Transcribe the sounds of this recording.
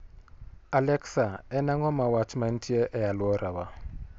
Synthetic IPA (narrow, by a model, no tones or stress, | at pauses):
alɛksaɛnaŋɔmawat͡ʃmantʰiɛʔɛalwɔɾʔawa